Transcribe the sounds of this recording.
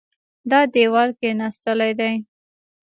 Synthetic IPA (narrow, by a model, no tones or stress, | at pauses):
d̪ɑd̪ewɑɾkenɑst̪əlajd̪aj